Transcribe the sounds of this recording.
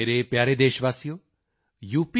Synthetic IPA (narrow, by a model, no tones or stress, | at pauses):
eːɾepjaːɾed̪eːʃʋaːsijo | juːpi